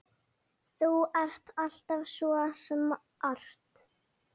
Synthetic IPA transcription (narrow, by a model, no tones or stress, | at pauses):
θuɛr̥t̪al̥t̪avsɔːasɛm | ʔar̥t̪